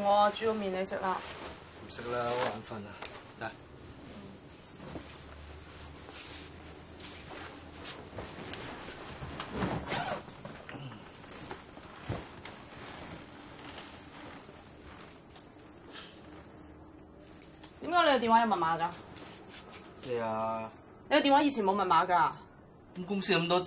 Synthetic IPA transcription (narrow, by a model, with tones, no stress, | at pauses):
ŋɔː˨˧˨t͡ʃyː˨˧ko˧miː˨ne˨˧jsɪ̰˥k̚laː˧ | m̩˨˩sɪ˥k̚laː˦˥o˨˥laː˨˥nfɐ˧˥na˨t̪a˨˩˨ | t̪iː˨˥mkaː˧˥le˧jɐ˧t̪i˨˩wa˨˥jɐ˧wmɐ˨n̚maː˨˥kaː˧ | he˨jaː˨˧ | lne˧jɐ˧t̪i˨waː˨˥i˧t͡sʰiː˨˩nmo˨˧wmɐ˨n̚maː˨˧kaː˧˥˦ | mkʊ˥ŋsiː˥kɐ˧˥mt̪ɔː˥